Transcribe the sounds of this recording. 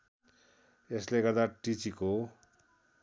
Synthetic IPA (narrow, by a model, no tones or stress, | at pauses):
esleɡʌrd̪aʈit͡siko